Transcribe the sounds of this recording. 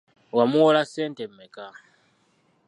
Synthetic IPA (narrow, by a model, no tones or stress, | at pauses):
wamuwolaseːntemːeka